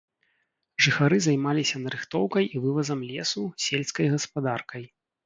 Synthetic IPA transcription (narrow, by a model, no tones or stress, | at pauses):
ʐɨxaɾɨzajmalʲisʲɐnɐɾɨxt̪ɔwkɐjʔivɨvɐzɐmlʲɛsusʲelʲskɐjɣɐspad̪arkɐj